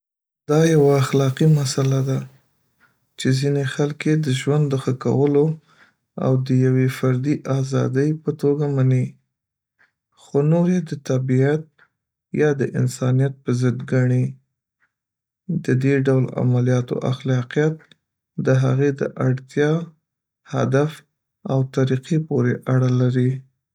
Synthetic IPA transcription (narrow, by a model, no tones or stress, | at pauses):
d̪̥ɑjawaːxlɑqimasalad̪a | t͡ʃezinexalked̪əʒwand̪dːəxəka̰wəlo | a̰wd̪əjawefaɾd̪iʔɑzɑ̰d̪əjpət̪oɡamani | xonoɾjed̪ət̪abiat̪̚ | jɑd̪əʔɪ̰nsɑnijat̪̚pəzəd̪ɡaɳi | d̪əd̪eɖawla̰malijɑt̪o̰ʔaxlɑqijat̪̚ | d̪əɦaɣed̪ə̰ʔaɽt̪jɑ | ha̰d̪af | awt̪aɾiqipoɾeʔaɽalaɾi